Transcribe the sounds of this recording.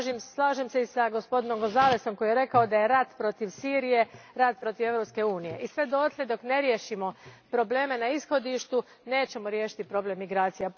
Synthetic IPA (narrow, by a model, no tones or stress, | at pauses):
ʒmslˠaːʒemseisaɡo̞spo̞d̪ino̞mkozaːleso̞mko̞jijeɾe̞kao̞d̪aje̞ɾat̪pɾo̞t̪iʋsiːɾije̞ɾat̪̚pɾo̞t̪iʋe̞ʋɾo̞pske̞uːnije̞̰ʔisʋe̞d̪oot̪lʲe̞d̪o̞kne̞ɾjeʃimo̞pɾo̞ble̞ːme̞naisxo̞d̪iʃt̪u | ne̞ːt͡ɕe̞moɾjeːʃi̥t̪ipɾo̞ble̞mːiɡɾaːt̪sija